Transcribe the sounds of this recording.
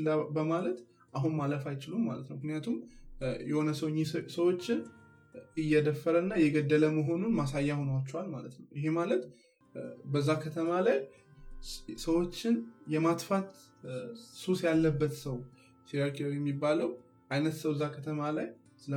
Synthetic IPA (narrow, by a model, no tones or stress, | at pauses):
labəmalət̪ | ʔaɦunmaləfajt͡ʃɪlumma̰lət̪nəwmɨknɨjat̪ʰumjɛho̞nəsəwɲːisəwot͡ʃːɪn | ɨjːɛd̪əfːəɾənːaɪjːɛɡəd̪ːələməɦo̞nunmas̬ajːaho̞nawot͡ʃːɛwalmalət̪nəwɪɦemalət̪ | bəzːakʰət̪ʰəmalaj | səwo̞t͡ʃːɪnjɛmat̪fat̪ | susjalːəbːət̪səw | siɾaɾkʰiojɛmːibːaləw | ʔajnət̪səwzːakʰət̪ʰəmalaj | sɨlə